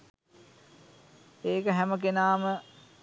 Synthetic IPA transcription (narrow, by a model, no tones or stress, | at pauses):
eːkəɦæmək̬enaːmə